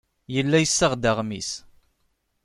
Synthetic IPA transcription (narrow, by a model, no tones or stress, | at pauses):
jəlːæjəsːəʁd̪əʁmḭs